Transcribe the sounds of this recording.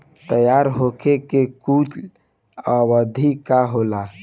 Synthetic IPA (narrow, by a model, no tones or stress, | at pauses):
t̪əjaɾɦokʰekekut͡ʃ | əbəd̪ʱikaɦola